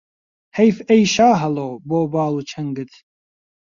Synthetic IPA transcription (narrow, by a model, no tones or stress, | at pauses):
hejfejʃaːɦɐloːboːbɑːluːt͡ʃʰɐŋɡɨt̪